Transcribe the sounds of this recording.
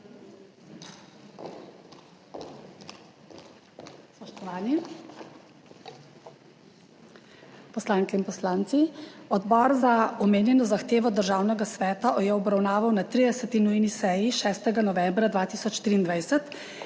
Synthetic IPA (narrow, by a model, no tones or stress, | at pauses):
spɔʃt̪ɔʋaːni | pɔslaːŋkɛinpɔslaːnt̪siɔd̪bɔːɾzaɔmeːnjɛnɔzaxt̪eːʋɔd̪əɾʒaːwnɛɡasʋɛːt̪ajɛɔbɾawnaːʋawnat̪ɾiːd̪ɛsɛt̪inujnisɛjiʃɛːst̪ɛɡanɔʋɛmbɾad̪ʋaːt̪iːsɔt͡ʃt̪ɾiːnd̪ʋajsɛt̪